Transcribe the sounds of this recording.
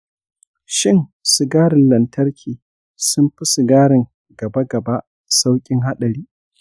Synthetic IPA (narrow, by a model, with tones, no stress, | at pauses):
ʃɪ˦˨ŋsʊ˨ɡaː˦ɽɪ˨nlɐ˨ntʰɐ˦rkʲʰiː˨ | sʊ˦mɸɪ˦sʊ˨ɡaː˦ɾɪ˨ŋ | ɡɐ˨ba˦ɡɐ˨ba˦ʔ | sa˦wkʲʼɪ˦ŋɦa˦ɗɐ˨ɾiː˦